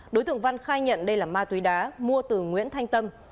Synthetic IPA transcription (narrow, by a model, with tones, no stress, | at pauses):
ɗo˨˦jt̪ɨ̰˧˨əŋva˧nxaː˧jɲə̰˧˨nɗə˧jlaː˨˩maː˧t̪wi˨˦ɗaː˨˦mu˧ət̪ɨ˨˩ŋwḭ˧˥ənt̪ʰa˧jŋt̪ə˧m